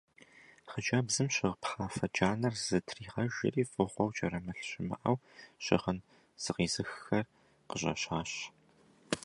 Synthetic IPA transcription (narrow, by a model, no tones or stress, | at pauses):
χəd͡ʒʼaːbzɨmɕɪʁpχaːfɐd͡ʒʼaːnɐrz̥ɨtʰriːʁɐʒɪ̰riːfʼɨʁʷɔwt͡ʃʼɐrɐmɐɬɕɪmɐ̰ʔɐwɕɪʁən | z̥ɨʁiːzɨxxɐr | qəɕʼɐ̰ɕaːɕ